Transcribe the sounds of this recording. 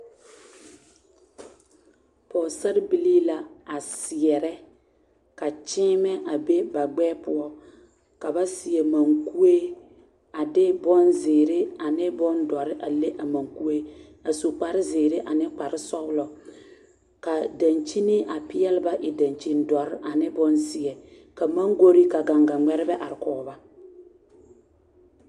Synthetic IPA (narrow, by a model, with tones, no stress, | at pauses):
pɔ˨sa˦ɾɪ˦bi˦li˦la˨a˨sɪ˨ɛ˨ɾɛ˦ | ka˨t͡ʃɪ˦mɛ˦ʔa˨be˦ba˨ɡ͡bɛː˦pʊ˦ɔ˦ | ka˨ba˦sɪ˨ɛ˨ma˨ŋku˦e˦ | a˨dɪ˦bɔ˦nzeː˨ɾe˦a˨nɪ˦bɔ˦ndɔ˨ɾɪ˦ʔa˨le˦ʔa˨ma˨ŋku˦e˦ | a˨so˨k͡pa˨ɾɪ˦zeː˨ɾe˦ʔa˨nɪ˦k͡pa˨ɾɪ˦sɔ˦bʊ˦lɔ˨ | ka˨da˨nt͡ʃi˦nɪ˦ʔa˨pɪ˦jɛ˦lɪ˦ba˦ʔɪ˨da˨nt͡ʃi˨ndɔ˨ɾɪ˦ʔa˨nɪ˦bɔ˦nsɪ˦ɛ˨ | ka˨ma˦ŋɡo˦ɾi˦ka˨ɡa˨ŋɡa˨ŋ͡mɛ˦ɾɪ˦bɛ˦ʔa˨ɾɪ˨kɔː˨˦ba˦